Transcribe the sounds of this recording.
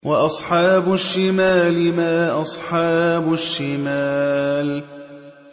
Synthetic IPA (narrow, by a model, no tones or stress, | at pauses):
wɑʔɑsˤħɑːbʊʃːɪmaːlɪmaːʔɑsˤħɑːbʊʃːɪmaːl